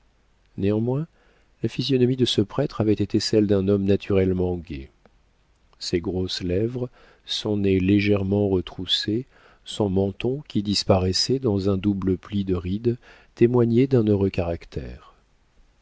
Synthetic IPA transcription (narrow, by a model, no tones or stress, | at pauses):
neɑ̃mwɛ̃ | lafizjɔnɔmid̪əsəpχɛt̪χavɛt̪et̪esɛld̪ɛ̃nɔmnat̪ʰyʁɛlmɑ̃ɡʲe | sɛɡʁoslɛvʁə | sɔ̃neleʒɛʁmɑ̃ʁət̪χuse | sɔ̃mɑ̃t̪ɔ̃kʲid̪ispaʁɛsɛd̪ɑ̃zɛ̃d̪ubləplid̪əʁid̪ | t̪emwaɲed̪ɛ̃nøʁøkaʁakt̪ɛ̰ːʁ